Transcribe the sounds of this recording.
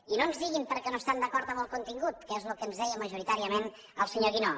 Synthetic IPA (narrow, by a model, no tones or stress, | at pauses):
inonzðiɣimpəɾkɛnoəst̪and̪əkɔɾt̪əməlˠkunt̪iŋɡut̪̚kezlukəːnzðɛjəməʒuɾit̪aɾiəmen | əlˠsəɲoɣino